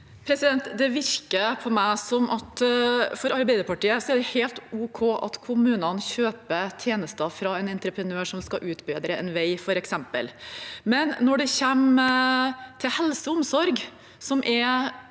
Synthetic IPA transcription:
pʰɾɛsɪd̪ɛnt̪d̪ɛʋɪɾkəpʰɔmæɪsɔmʔɑt̪fɔɾɑɾbæɪd̪əɾpɑʈiːəsɔɛɖɛheːlt̪uːkʰoːʔɑ̰t̪kʰʊmʉːnənçøːpət̪ʰjeːnəst̪əfɾɑɛnɛnt̪ɾəpʰɾənøːʂɔmskɑʔʉːt̪beːd̪ɾəɛ̰nʋæɪfɔɾɛksɛmpə̰lmɛnːɔɖɛçɛm | t̪ʰɪlhɛlsəʊmsɔɾɡ | sɔmʔɛɾ

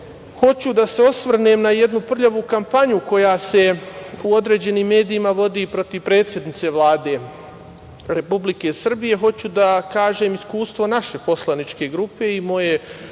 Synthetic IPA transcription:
ho̞t͡ɕud̪ase̞o̞sʋr̩nemnaje̞d̪nupr̩ʎaʋuːkampaɲuko̞jaːse̞uo̞d̪ɾe̞ːd͡ʑe̞niːmːe̞ːd̪iːmaʋo̞d̪ipɾo̞t̪iʋpɾe̞ːt̪sje̞d̪nit̪se̞ʋlˠaːd̪e̞ | ɾe̞publike̞sr̩bije̞ɦo̞t͡ɕud̪akaːʒe̞ːmiskuːst̪ʋo̞naʃe̞po̞slˠanit͡ʃke̞ɡɾupe̞imo̞je̞

